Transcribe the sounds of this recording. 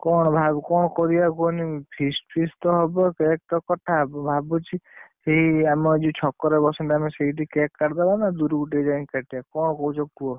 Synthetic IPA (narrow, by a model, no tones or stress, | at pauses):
kɔɽ̃bʱabkɔɳ̃ɔkɔɾiakonipʰisʈpʰist̪ɔɦɔbɔkek̚ʈ̪ɔkɔʈʰabbʱabɔt͡ʃʰiheiamɔd͡ʒit͡ʃʰɔkːɔɾebɔsɔnʈ̪ɛameseiʈikekːaɾd̪abanad̪uɾuuʈed͡ʒankaʈijakɔɽ̃ɔkɔut͡ʃʰɔk̚tuɔ